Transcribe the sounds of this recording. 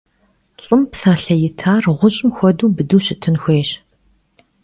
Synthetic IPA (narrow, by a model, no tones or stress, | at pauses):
ɬʼɨmpsaːɬɐjɪtʰaːrʁʷʊɕʼɪmxʷɔduːbɨduːɕɪtʰɨnxʷeːɕ